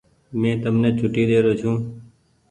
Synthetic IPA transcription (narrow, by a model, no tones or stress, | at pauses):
mẽːt̪əmneːt͡ʃʰʊʈiːd̪eːɾoːt͡ʃʰũː